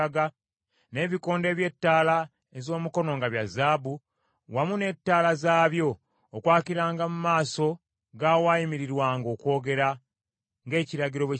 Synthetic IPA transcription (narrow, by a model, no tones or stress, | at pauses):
aɡa | ne̞ːβiko̞ːnde̞ːβje̞tːaːla | ezo̞ːmuko̞no̞ŋɡaβjazaːbu | wamune̞tːaːlazaːβjo̞ː | kwaːkiɾaːŋɡamumaːso̞ | ɡawaːjimiɾiɾwaːŋɡo̞ːkwo̞ːɡe̞ɾa | ŋɡe̞ːciɾaɟiɾo̞e